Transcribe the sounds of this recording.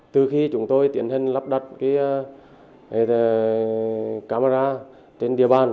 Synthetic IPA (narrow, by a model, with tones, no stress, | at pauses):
t̪ɨ˨˩xi˧t͡ɕʊ˨˦ŋ͡mt̪o˧jt̪i˨˩ənhï˧ŋ̟la˦˥p̚ɗə˨˩t̚kaː˨˦j | kaː˧ma˧zaː˧ | t͡ɕe˧nɗi˨˩əɓaː˨˩n